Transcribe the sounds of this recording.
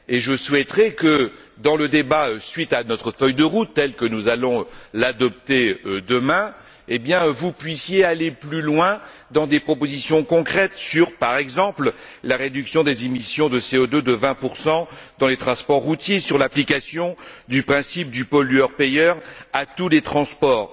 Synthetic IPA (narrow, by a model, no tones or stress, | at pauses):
eʒəswɛt̪χɛkə | d̪ɑ̃ləd̪ebaøsɥit̪anɔt̪χəfœjd̪əʁut̪ːɛlkənuzalɔ̃lad̪ɔp̚t̪ed̪əmɛ̃ | ebjɛ̃vupɥisjealeplylwɛ̃ | d̪ɑ̃d̪epχɔpozisjɔ̃kɔ̃kχɛt̪syʁpaʁɛɡzɑ̃pl | laʁed̪yksjɔ̃d̪ezemisjɔ̃d̪əseod̪ød̪əvɛ̃puʁsɑ̃d̪ɑ̃let̪χɑ̃spɔʁːut̪jesyʁlaplikasjɔ̃d̪ypχɛ̃sip̚d̪ypɔlyœʁpejœʁat̪ulet̪χɑ̃spɔːʁ